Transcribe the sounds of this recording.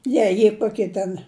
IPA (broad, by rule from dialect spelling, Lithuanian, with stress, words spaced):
ˈjɛɪ jiɛ ˈkoːkʲiɛ tʲɛn